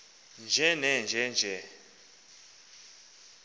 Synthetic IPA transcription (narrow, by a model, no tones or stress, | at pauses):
nd͡ʒʱɛnɛnd͡ʒʱɛnd͡ʒʱɛ